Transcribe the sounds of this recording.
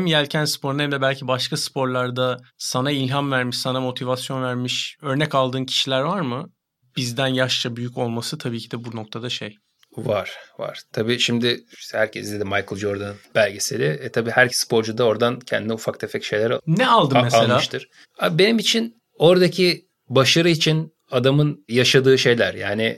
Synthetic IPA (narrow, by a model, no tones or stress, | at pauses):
hɛmjælʲcʰænspʰo̞ɾunhæmd̪ɛbælʲcʰibaʃkʰaspʰo̞ɾlˠaɾd̪asanailʲɦamvæɾmiʃsanamo̞t̪ʰivasjo̞nvæɾmiʃø̞ɾnɛcalˠd̪ɯːncʰi̥ʃilʲæɾvaɾmɯ | b̥izd̪ænjaʃt͡ʃʰabyjyco̞lˠmasɯt̪ʰabiːcʰid̪ɛbuno̞k̚t̪ʰad̪aʃej | vaɾ̥va̰ɾ̥t̪ʰabiːʃimd̪ɪhæɾcʰɛsd̪eimajkʰɯlˠd͡ʒoɾd̪anb̥ælʲɟesiɾɛɛt̪ʰabiːhæɾsːpʰo̞ɾd͡ʒud̪ao̞ɾd̪ancʰɛ̰nd̪inɛufakt̪ʰefɛcʃe̞jlʲeɾnɛalˠd̪ɯmmːelelʲaːʃt̪ɯɾ̥ | abe̞nimit͡ʃʰin | o̞ɾd̪acʰi | baʃaɾɯit͡ʃʰin | ad̪amɯnjaʃad̪ɯːʃe̞jlʲæɾjaːnɪ